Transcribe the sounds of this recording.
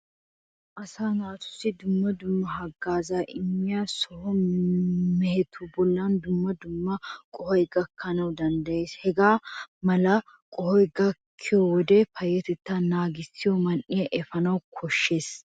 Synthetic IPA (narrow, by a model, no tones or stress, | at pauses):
ʔɐsaːnaːt̪ʊ̥sːɪd̪ʊmːɐd̪ʊmːɐɦɐɡːaːzaːʔɪmːɪjaːsɔhɔ | mɛhɛt̪ʰubɔlːɐnd̪ʊmːɐd̪ʊmːɐkʼɔhɔjɡɐkʰːɐnɐwd̪ɐnd̪ɐje̞ːshɛɡaːmɐlɐ | kʼɔhɔjɡɐkʰːɪjɔwɔd̪epɐjːɛt̪ɛt̪ːanaːɡɪsɪjɔmɐnʔɪjɐʔɛfɐnɐwkʰɔʃːe̞ːs